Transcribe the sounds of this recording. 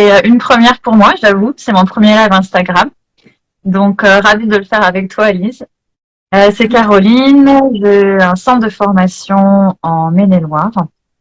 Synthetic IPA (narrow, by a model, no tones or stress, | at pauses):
sɛøʔynpχəmjɛʁpuʁmwaʒavusɛmɔ̃pχəmjeʁɛvɛ̃st̪aɡʁam | d̪ɔ̃køʁavid̪əlfɛʁavɛk̚t̪waeliz | øsɛkaʁɔlinʒeɛ̃sɑ̃d̪əfɔʁmasjɔ̃ɑ̃menelwaʁ